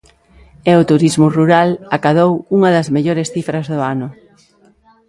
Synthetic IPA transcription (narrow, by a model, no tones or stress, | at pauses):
eʊt̪uɾizmʊruɾalakaðowuŋɐðɐzmeʎoɾesθifɾɐzðʊanʊ